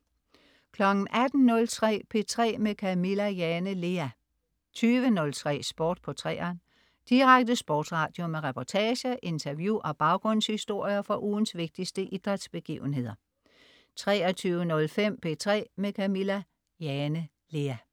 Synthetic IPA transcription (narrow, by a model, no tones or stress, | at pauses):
kʰlɒ̽ɡ̥n̩ʔæd̥n̩nɔ̽lt͡sʰʁɛ̰ːpʰe̝t͡sʰʁɛ̰ːmekʰæmilæjɛnəle̝æ | t͡sʰyːʋənɔ̽lt͡sʰʁɛ̰ːsb̥ɔːd̥pʰɒ̽t͡sʰʁɛ̰ːɐn | d̥iʁaɡ̥̚d̥əsb̥ɔːd̥sʁɑ̈d̥jo̝meʁɛpʰɒt͡sʰɛːɕəʔe̝nt͡sʰɐʋjuʔɒ̽b̥ɑ̈ʊɡ̥ʁɔ̽n̰shisd̥o̝ɐ̰jɐfɒ̽ʔuːn̩sʋe̝ɡ̥̚d̥isd̥əʔid̥ʁad̥sb̥e̝ɡ̥ḭːʊn̩ɦe̝ðˠɐ | t͡sʰʁɛːɐt͡sʰyːʊənɔ̽lfem̰pʰe̝t͡sʰʁɛ̰ːmekʰæmilæ | jɛnə | le̝æ